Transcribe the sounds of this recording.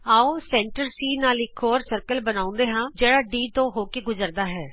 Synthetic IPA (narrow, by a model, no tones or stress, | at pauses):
aːoːsɛ̃ːɳʈəɾsiːnaːlɪkʰːoːɾsəɾkəlbənaːʊ̃nd̪eːɦãːd͡ʒeːɽaːɖiːt̪õːɦoːkeːɡʊzəɾd̪aːɦɛː